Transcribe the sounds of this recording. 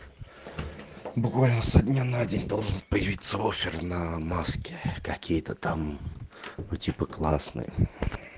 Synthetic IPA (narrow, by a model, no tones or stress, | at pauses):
bʊkvalʲnəsɐd̪ʲnʲanadʲenʲd̪olˠʐɨnpəjɪvʲit̪səofʲɪrnɐmaskʲɪkɐkʲijət̪ət̪am | ʊtʲipəklˠasnɨ̰jə̰